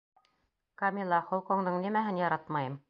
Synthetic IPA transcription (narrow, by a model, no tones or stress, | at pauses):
kɑmʲilˠːɑχŏlˠqoɴd̪ɤɴnimæɦɘnjɑɾɑt̪mɑjɤm